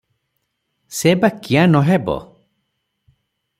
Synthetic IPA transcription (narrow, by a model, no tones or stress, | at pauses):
sebakijanɔɦɛbɔ̰